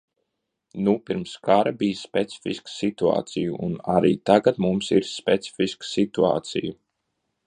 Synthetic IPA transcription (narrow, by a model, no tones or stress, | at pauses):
nupiɾmskaɾabijspʲɛt̪si̥fiskə̥sit̪ua̰ːt̪sijuʔunaɾḭːt̪aɡat̪mumsiɾspʲɛt̪si̥fiskə̥sit̪ua̰ːt̪siju